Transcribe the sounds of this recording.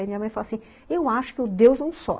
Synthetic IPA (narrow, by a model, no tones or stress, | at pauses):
jmĩɲɐmɐ̃j̃falasĩ | ewaʃʊ̥kɪʊd̪ewznɐ̃w̃sɔ̰